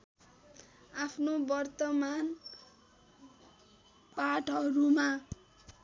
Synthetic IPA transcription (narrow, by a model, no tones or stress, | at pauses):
apʰnobʌrt̪ʌman | paʈʌɾuma